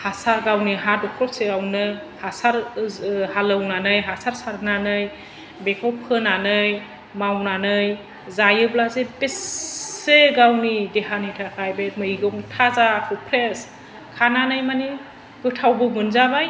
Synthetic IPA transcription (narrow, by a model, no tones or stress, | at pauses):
hasaɡawniɦadɔkʰɾɔseawnɯ | hasaɾ | halɯwnanɯjɦasaɾsaɾnanɯj | bekʰɔwpʰɯnanɯj | mawnanɯj | zajɯblazebesː | eɡawnideɦanitʰakʰajbemɯjɡɔŋtʰazakʰɯpʰɾes | kʰananɯjmani | ɡ̥ɯtʰawbɯmɯnzabaj